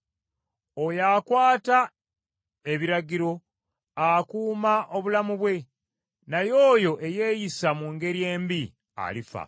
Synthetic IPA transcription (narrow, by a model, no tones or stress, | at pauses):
o̞jakwaːta | e̞βiɾaɡiɾo̞ | akuːmaʔo̞βulamuβwe̞ | najo̞ːjo̞ʔe̞je̞ːjisamuŋɡe̞ɾje̞ːmbi | a̰lifa̰